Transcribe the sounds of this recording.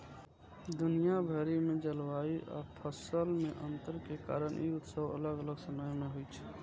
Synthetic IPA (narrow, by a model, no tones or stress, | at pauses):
d̪unijabʱəɾimed͡ʒəlʋaiʔa̰pʰəsəlmeʔənt̪əɾkeka̰ɾənḭut̪səʋə̰ləɡələɡsəməjmeɦojt͡ʃʰɛ̥